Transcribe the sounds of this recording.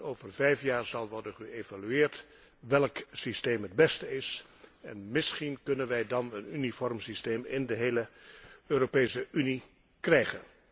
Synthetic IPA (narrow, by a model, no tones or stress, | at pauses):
oːwvərvɛjfjaːɹzɑlˠʋɔɹdənχəevalyɪːɹt | ʋɛlˠksisteːmɦəd̚bɛstəɪs | ɛ̰nmɪsχinkɵnənʋɛjdɑnənynifɔrmsisteːmɪndəɦejləøːropejsəʔyni | krɛjχən